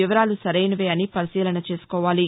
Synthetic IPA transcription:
iʋɐɾaːlusɐɾɐjnɐʋeːɐnipɐɾisiːlɐnɐt͡ʃe̞ːsu̥kɔːʋaːli

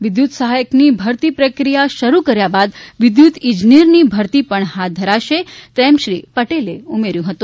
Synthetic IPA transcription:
ʋɪd̪jut̪səɦajəknibʱəɾt̪ipɾəkɾijaʃəɾukəɾjabad̪ʋɪd̪jut̪id͡ʒniɾnibʱəɾt̪ipəɳɦat̪̚d̪ʱəɾaʃet̪ɛmʃɾipəʈeleumeɾjũɦət̪ũ

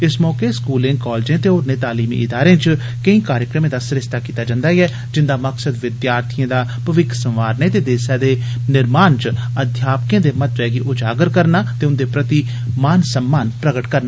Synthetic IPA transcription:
ɪsmɔːkeːskuːlɪ̃ŋɡkɔːld͡ʒẽːt̪eːoːɾnẽːt̪aːliːmḭːʔɪd̪aːɾẽːt͡ʃ | kəĩːkaːɾjəkɾəmẽːd̪aːsɾɪst̪ʰaːkiːt̪aːd͡ʒãːnd̪aːiɛː | d͡ʒɪnd̪aːməksəd̪ʋɪd̪jaːɾt̪ʰijãːd̪aːpəʋɪkʰsəmʋaːɾneːt̪eːd̪eːsaːd̪eː | nɪɾmaːnt͡ʃəd̪ʱjaːpkẽːd̪eːmət̪ʋɛːɡiːʔʊd͡ʒaːɡəɾkəɾnaːt̪eːʊnd̪eːpɾət̪iː | maːnsəmːaːnpɾəɡəʈkəɾnaː

